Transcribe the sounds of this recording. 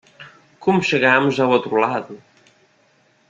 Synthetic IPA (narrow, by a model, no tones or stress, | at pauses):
kumʃeɣamzawot̪ɾulaðu